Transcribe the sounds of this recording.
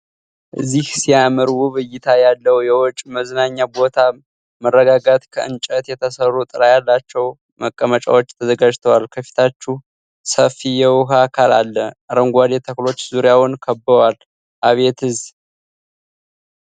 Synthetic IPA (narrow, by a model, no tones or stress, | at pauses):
ʔɨzːihsijaməɾwuβɨjːɪt̪ʰajalːəwjɛwɔt͡ʃʼməznaɲːabo̞t̪ʰa | mərːəɡaɡat̪kʰəɨ̰nt͡ʃʼət̪jɛt̪ʰəsərːut̪ʼɨɾajalːat͡ʃːɛw | məkʼːəmət͡ʃʼa̰wot͡ʃːt̪ʰəzəɡad͡ʒt̪ʰəwalkʰəfi̥t̪ʰat͡ʃːu | səfijɛwʊɦakʰala̰lːəaɾəŋɡʷad̪et̪ʰəklo̞t͡ʃːzuɾijawʊnkʰəbəwal | ʔaβe̞t̪ʰɨz